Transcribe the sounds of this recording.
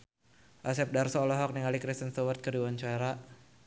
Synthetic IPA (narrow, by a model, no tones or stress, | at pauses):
ʔasɛp̚darsɔːlɔɦɔk̚niŋalikɾist̪ənst̪ɔwərt̪̚kəduwant͡ʃɔɛɾa